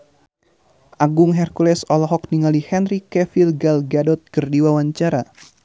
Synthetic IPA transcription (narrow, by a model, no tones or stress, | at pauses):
ʔaɡʊŋɦɛrkulɛsɔlɔɦɔk̚niŋalihɛnrikɛfilɡalɡadɔt̪̚kərdiwawaɲt͡ʃaɾa